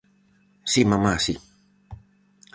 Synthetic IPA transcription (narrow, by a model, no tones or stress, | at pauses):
simamasi